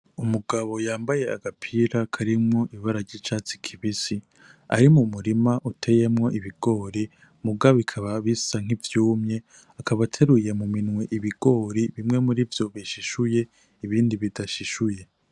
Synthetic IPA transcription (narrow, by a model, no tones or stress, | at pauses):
umuɡaβo̞jaːmbaje̞aɡapʰiɾakʰaɾimŋŋo̞ʔiβaɾaɾɟit͡ʃaːt͡si̥kʰiβisi | a̰ɾimumuɾimaʔutʰe̞je̞mŋo̞ʔiβiɡ̥o̞ːɾi | muɡaβikʰaβaβisaŋ̥ivjuːmɲe̞ | akʰaβatʰe̞ɾuje̞muminŋweʔiβiɡ̥o̞ːɾiβimŋe̞muɾivjo̞βiʃiʃuje̞ | iβiːndiβidaʃiʃuje̞